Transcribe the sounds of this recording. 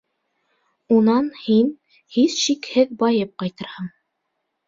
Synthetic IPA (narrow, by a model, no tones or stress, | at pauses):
unɑnhin | hisʃikhɘðbɑjɤp̚qɑjt̪ɤ̆ɾhɤɴ